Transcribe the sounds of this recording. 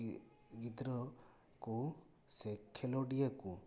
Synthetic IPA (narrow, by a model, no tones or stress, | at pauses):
ɡid̪ɾɔ | ku | sekʰeloɖijaku